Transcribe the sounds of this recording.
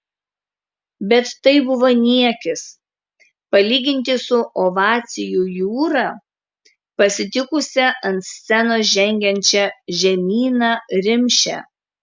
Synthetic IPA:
bʲɛt̪ːɐɪbʊʋonʲiɛkʲɪs | pɐlʲiːɡʲɪnʲt̪ʲɪsʊʔoʋɑːt̪sʲɪjujuːɾɑː | pɐsʲɪt̪ʲɪkʊsʲɛʔɐnt̪sʲsʲɛnoːʒʲɛŋʲɡʲɛnʲt͡ʃʲɛʒʲɛmʲiːnɑːɾʲɪmʲʃʲɛ̰

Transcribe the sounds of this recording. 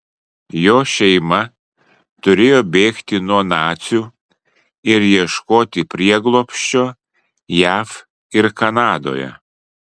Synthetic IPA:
joːʃʲɛɪmɐ | t̪ʊɾʲeːjoːbʲeːkt̪ʲɪnuɔnɑːt̪sʲuː | ɪɾjiɛʃkoːt̪ʲɪpʲɾʲiɛɡlˠoːpʲʃʲt͡ʃʲoː | jæːf | ɪɾkɐnɑːd̪o̰ːjɛ̰

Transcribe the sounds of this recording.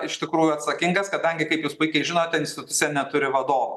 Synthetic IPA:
ɪʃt̪ʲɪkɾuːjuɐt̪sɐkʲɪŋɡɐskɐt̪̚d̪ʲɛŋʲɡʲɪkɐɪpjuːspʊɪkʲɛɪʒʲɪnoːt̪ʲɛɪnʲsʲt̪ʲɪt̪ʊt̪sʲɪjɛnʲɛt̪ʊɾʲɪʋɐd̪oːʋɐ

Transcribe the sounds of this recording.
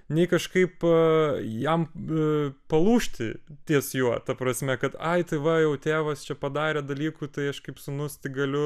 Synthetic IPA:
nʲɛɪkɐʃkɐɪp | jɛm | pɐlˠuːʃʲt̪ʲɪ̰t̪ʲiɛsjuɔt̪ɐpɾɐsʲmʲɛkɐt̪ɐɪt̪ɐɪʋɐjɛʊt̪ʲeːʋɐst͡ʃʲɛpɐd̪ɑːɾʲeːd̪ɐlʲiːkuːt̪ɐɪɐʃkɐɪpsʊnʊst̪ʲɪɡɐlʲʊ

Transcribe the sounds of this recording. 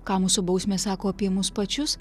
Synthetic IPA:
kɑːmuːsʊbɐʊsʲmʲeːsɑːkoːɐpʲiɛmʊspɐt͡ʃʲʊs

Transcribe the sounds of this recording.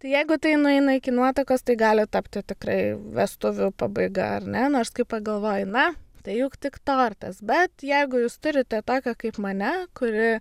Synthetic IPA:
t̪ɐɪjɛɪɡʊt̪ɐɪnʊɛɪnɐɪkʲɪnuɔt̪ɐkoːst̪ɐɪɡɑːlʲɪt̪ɐpʲt̪ʲɪt̪ʲɪkrɐɪʋʲɛst̪ʊʋʲʊpɑbɐɪɡɐ̰ɐ̰rnʲɛnoːɾskɐɪppɐɡɐlˠʋoːjʊnɐt̪ɐɪjuːkt̪ʲɪkt̪oːrʲt̪ʲɐsbʲɛt̪jɛɪɡʊjuːst̪ʊɾʲɪt̪ʲɛt̪oːkʲɛkɐɪpmɐnʲɛkʊɾʲɪ

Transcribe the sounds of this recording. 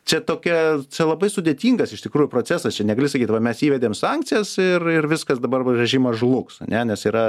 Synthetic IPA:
t͡ʃʲɛt̪oːkʲɛt͡ʃʲɛlˠɐbɐɪsʊd̪ʲeɛt̪ʲiːŋɡɐsɪʃt̪ʲɪkɾuːjʊpɾoːt͡s̪ʲæːsɐst͡ʃʲɛnʲɛɡɐlʲɪs̬ɐkʲiːt̪ʋɐmʲɛsiːʋʲɛd̪ʲeːmsɑŋk̚tt͡ssʲɪjɛsɪrɪrʋʲɪskɐsd̪ɐbɐrʲʋʲɛʒʲiːmɐʒlˠʊksɐ̰nʲɛnʲɛsiːɾɐ

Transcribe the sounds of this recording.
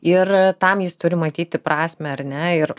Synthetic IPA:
ɪrt̪ɐmjɪst̪ʊɾʲɪmɐt̪ʲiːt̪ʲɪpɾɑːsʲmʲɛɐrnʲɛɪɾ

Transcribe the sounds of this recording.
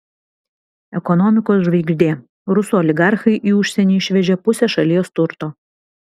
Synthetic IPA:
ɛkɔnɔmʲɪkoːsʒʋɐɪɡʲʒʲd̪ʲeː | ɾʊsoɔlʲɪɡɑˑɾxɐɪʔiːʊʃʲsʲɛnʲiːɪʃʲʋʲɛd͡ʒʲɛpʊsʲɛʃɐlʲijost̪ʊɾt̪oː

